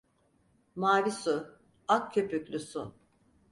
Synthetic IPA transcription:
maːɾisu | akcʰøpykʲlʲysṵ

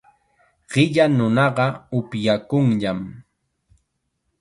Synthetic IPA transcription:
ɢ̥ɪʎanʊnɑɢɑʊpjakʊŋʎam

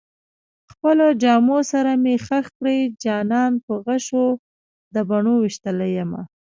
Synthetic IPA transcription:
xpəlod͡ʒɑmosaɾamexaxkɽəjd͡ʒɑnɑnpəɣaʃo | d̪əbaɳowiʃt̪əlajəma̰

